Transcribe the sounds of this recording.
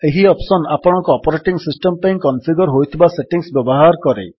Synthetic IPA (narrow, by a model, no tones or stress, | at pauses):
eɦiɔpsɔnapɔɽ̃ɔ̃kɔːpɔɾeʈiŋsisʈɔmpaj̃kɔnsiɡɔɾɦojt̪ʰibaseʈiŋsbjɔbɔɦaɾkɔɾḛ